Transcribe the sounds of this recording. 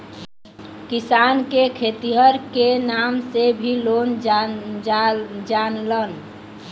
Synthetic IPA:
kisankekʰet̪iɦəɾkenamsebʱilon | d͡ʒanlən

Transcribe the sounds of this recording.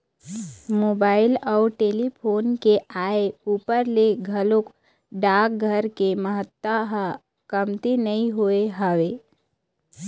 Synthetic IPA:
moːbaːɪlɔʊʈeːlipʰoːnkeʔaːeuːpəɾleɡʱəlok | ɖaːk̚ɡʱəɾkeməɦət̪waɦ | kəmt̪inɐĩɦoeɦəʋeː

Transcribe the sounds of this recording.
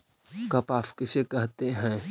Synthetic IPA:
kɐpaːfkɪsekɛɦt̪eɦɛ̃ː

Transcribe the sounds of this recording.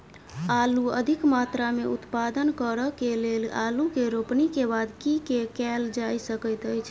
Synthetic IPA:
aluəd̪ʱikmat̪ɾameut̪pad̪ənkəɾəkelelalukeɾopnikebad̪kikekɛld͡ʒajsəkəjt̪əjt͡ʃʰ

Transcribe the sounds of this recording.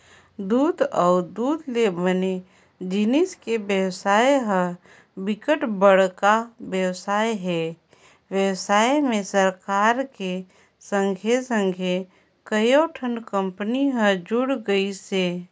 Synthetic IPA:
d̪uːd̪ɔːd̪uːd̪lebəne | d͡ʒɪnɪskebjəwsaːjɦə | bɪkəʈbəɽ̤kabjəwsaːjɦɛː | ʋjəwsaːjmẽsəɾkaːɾke | sə̃ŋɡʱesə̃ŋɡʱe | kəjoʈʰə̃nɖkə̃mpəniɦəd͡ʒʊɽɡəiseː

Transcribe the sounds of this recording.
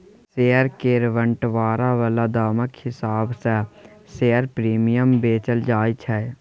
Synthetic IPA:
seːəɾkeːɾʋəɳʈʋaːɾaʋəlad̪aːməkhɪsaːbsɛ | seːəɾpɾiːmijəmbeːt͡ʃəld͡ʒaːit͡ʃʰɛ

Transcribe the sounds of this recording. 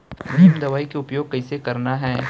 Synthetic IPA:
mʊʃɪmd̪ɐʋaːikeʊpjoːɡ̚kɐisekɐɾnaɦɛː

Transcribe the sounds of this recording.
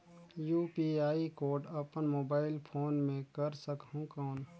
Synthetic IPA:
juːpiːaːikoːɾɖɐpənmoːbaːɪlpʰoːnmẽkɐɾsəkɦũkɔːn

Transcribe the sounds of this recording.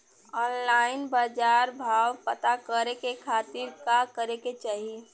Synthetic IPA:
ɔːnlaːɪnbaːd͡ʒaːɾbʱaːwpət̪akəɾekekʰaːt̪ɪɾkakəɾeket͡ʃaːɦie

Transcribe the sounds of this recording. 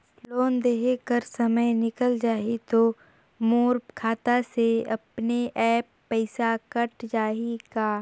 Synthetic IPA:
loːnd̪eːɦekəɾsɐməjnɪkəld͡ʒaːit̪o | moːɾpkʰaːt̪aseɐpneʔɛːpːɛɪsakɐʈd͡ʒaːikaː

